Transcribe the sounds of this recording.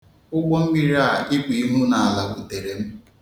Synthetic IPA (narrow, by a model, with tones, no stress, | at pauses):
ʊ˦ɡ͡bɔ˦m̩˦ɡ͡bi˦ɾa˦˨ɪ˦k͡pi˨i˦ɦu˦na˨a˨la˨bu˨te˨ɾe˨m̩˦